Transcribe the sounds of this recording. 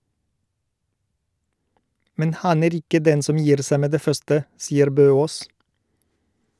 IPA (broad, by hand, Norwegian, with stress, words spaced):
ˈmɛn ˈhɑn ˈeːɾ ˈɪkə ˈdɛn ˈsɔm ˈjiːɾ ˈsæ ˈmeː ˈdeː ˈfœstə ˈsiːəɾ ˈbøːˌoːs